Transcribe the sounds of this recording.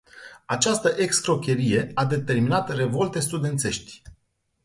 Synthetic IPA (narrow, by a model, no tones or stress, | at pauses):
at͡ʃast̪əʔe̞kskɾo̞kʲe̞ɾije̞ad̪e̞t̪e̞rminat̪re̞vo̞lt̪e̞st̪ud̪e̞nt̪se̞ʃt̪ʲ